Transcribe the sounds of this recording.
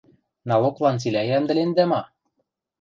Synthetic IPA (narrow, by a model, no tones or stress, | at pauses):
nɑloklˠɑnt͡silʲæjænd̪ɘ̆lend̪æmɑ